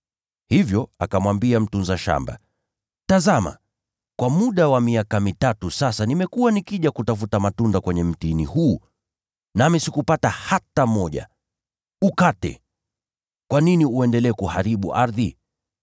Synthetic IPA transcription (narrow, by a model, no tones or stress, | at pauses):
hivjɔa̰kamwambiam̩tunzaʃa̰mba̰ | tazama̰ | kwamuɗawamiakamitatusasanimɛkuwanikiʄakutafutamatundakwɛɲɛm̩tinḭhuː | namisikupatahatamɔʄa̰ | ukatɛ̰ | kwaniniuɛndɛlɛːkuhaɾiɓuʔaɾði